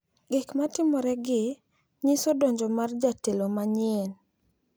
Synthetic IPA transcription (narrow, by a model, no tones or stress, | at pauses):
ɡɪkmatɪmɔɾɛɡɪ | ɲɪsodɔɲd͡ʒɔmard͡ʒatelomaɲɪn